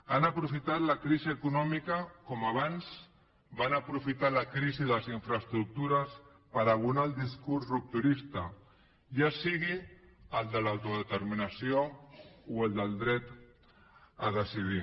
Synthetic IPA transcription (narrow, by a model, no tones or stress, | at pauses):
anəpɾufit̪at̪lakɾiziəkunɔmikəkɔmaβ̞anz | banəpɾufit̪aləkɾiziðəəziɱfɾəst̪ɾuk̚t̪uɾəs | pəɾaβunalˠd̪iskursrup̚t̪uɾist̪a | ʒasiɣiəld̪əlawt̪uðət̪əɾminəsiouəld̪əlˠd̪ɾɛt̪ | əðəsiði